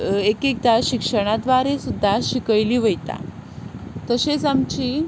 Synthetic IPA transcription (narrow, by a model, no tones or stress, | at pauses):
ekek̚d̪aɕikʂəɽ̃ad̪ʋaɾesud̪ʱːaɕikəɭliːʋəjt̪a̰ | t̪əset͡samt͡ɕiː